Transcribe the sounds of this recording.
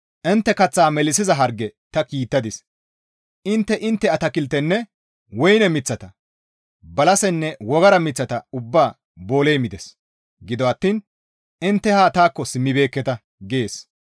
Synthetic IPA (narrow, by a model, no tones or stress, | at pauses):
ʔɪnt̪ːɛkɐt͡sːaːmɛlɪsɪzɐɦɐɾɡːɛt̪ɐkiːt̪ːɐd̪ɪs | ʔɪnt̪ːɛʔɪnt̪ːɛɐt̪ɐkɪlt̪ɛnːɛ | wɔjnɛmɪt͡sːɐt̪ɐ | bɐlɐsɛnːɛwɔɡɐɾɐmɪt͡sːɐt̪ɐʊbːaː | bo̞ːlejmɪd̪ɛs | ɡɪd̪ɔɐt̪ːiːn | ɪnt̪ːɛhaːt̪aːkːɔsɪmːɪbe̞ːkːɛt̪ɐ | ɡe̞ːs